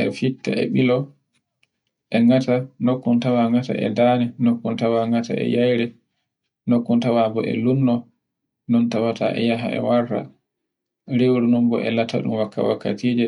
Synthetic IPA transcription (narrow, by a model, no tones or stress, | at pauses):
ɛfitːaɛɓilɔ | ʔɛŋatanokːuntawaŋata̰ʔɛ̰danɛnokːuntawaŋata̰ɛ̰jajɾɛ | nokːuntawabɔʔɛ̰lunːɔ | nɔntawata̰ʔɛ̰jaɦa̰ɛ̰waɾːa̰ | ɾewɾunumbɔʔɛ̰latʰa̰ɗumwakːa̰wakːatid͡ʒɛ